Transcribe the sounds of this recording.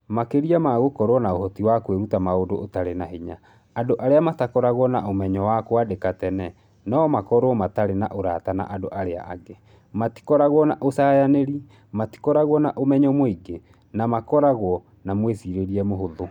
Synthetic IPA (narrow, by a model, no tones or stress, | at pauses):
makeɾiamaɣokɔɾwɔnaohɔtiwakweɾutamaodoʔotaɾenaɦiɲa | adoʔaɾeamatakɔɾaɣwɔnaomɛɲɔwakwadekatɛnɛ | nɔmakɔɾwɔmataɾena̰ʔoɾatana̰ʔadoʔaɾea̰ʔaɡe | mati̥kɔɾaɣwɔnaʔosaːjaneɾi | mati̥kɔɾaɣwɔnaʔomɛɲɔmoiɡe | namakɔɾaɣwɔ | namwesiɾeɾiɛmoɦoðo